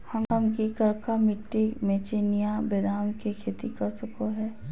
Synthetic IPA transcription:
hɐmɦɐmkikɐɾkamɪʈːimẽːt͡ʃenijabeːd̪aːmkekʰeːt̪ikɐɾsəkoɦɛː

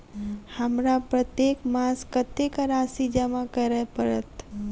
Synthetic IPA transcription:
həmɾapɾət̪jekmaːskət̪ekaɾasid͡ʒamãkəɾəpəɾət̪

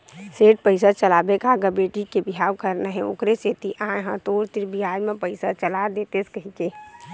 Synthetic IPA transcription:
seːʈ̚pəɪsət͡ʃəlaːbekaːɡəbeʈikebiɦawkəɾnəɦɛ̃o̰kɾeset̪iʔãjɦə̃t̪oːɾt̪iɾbʱiaːjmẽpəɪsat͡ʃəlad̪eːt̪eskəɦike

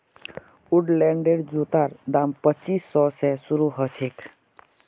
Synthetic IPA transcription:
uɖlɛɳɖeɖd͡ʒut̪aɾd̪ampət͡ʃisːɔsɛsuɾuɦət͡ʃʰek

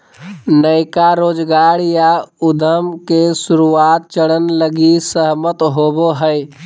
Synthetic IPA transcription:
nəɪkaɾod͡ʒɡaɾjaud̪ʱəmkesuɾuat̪̚t͡ʃəɽənləɡisəɦmət̪ɦoboɦəj

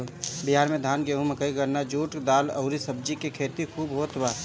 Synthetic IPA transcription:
bɪɦaːɾmẽd̪ʱaːnɡeːɦũməkəiɡəɾnad͡ʒuːʈd̪aːlə̰ʊɾisəb̚d͡ʒikekʰeːt̪ikʰuːbɦoːt̪baː

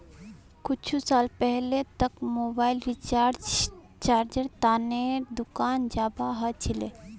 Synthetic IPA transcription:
kʊt͡ʃʰusaːlpɛɦlet̪ɐkmoːbaːɪlɾit͡ʃa | t͡ʃaːɾd͡ʒəɾt̪aːned̪ʊkaːnd͡ʒaːbaɦɐt͡ʃʰileː

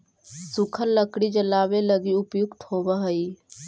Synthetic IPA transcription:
sʊkʰəɾləkɽid͡ʒəlaːʋeləɡiʊpjʊkt̪hoːbaɦəiː

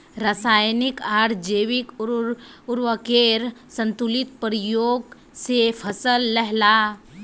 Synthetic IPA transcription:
ɾasaːjnɪkaːɽd͡ʒeʋik | ʊɾwəkeɾsə̃nt̪ulɪt̪pɾijoːɡ | sepʰəsəlːəɦla

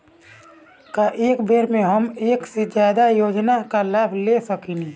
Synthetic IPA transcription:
kaʔeːkbʱeːɾmẽɦəmeːksed͡ʒjaːd̪ajoːd͡ʒnakalaːbʱlesəkinẽː

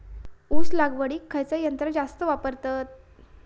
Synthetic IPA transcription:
uslaɡʋəɽiːkʰːajt͡sajənt̪ɾəd͡zast̪əʋapəɾt̪at̪̚

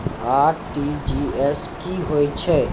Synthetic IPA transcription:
aːɾʈid͡ʒiːɛskiɦoːit͡ʃʰe

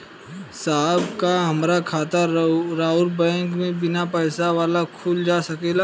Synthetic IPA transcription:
saːbkaɦɐmɾakʰaːt̪aɾaːʊlbɛ̃ːŋkmẽbɪnapɛːsaʋaːlakʰuld͡ʒaːsɐkeːlaː

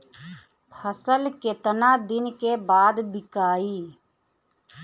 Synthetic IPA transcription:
pʰəsəlket̪ənad̪ɪnkebaːd̪bɪkaːiː

